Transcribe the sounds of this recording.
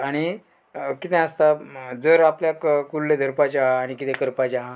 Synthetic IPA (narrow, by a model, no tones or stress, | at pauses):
aɽ̃i | kit̪ɛ̃əst̪ad͡zəɾapljakkulːed̪ʱəɾpad͡ʑaɦaːɽ̃ikit̪ẽkəɾpad͡ʑaɦa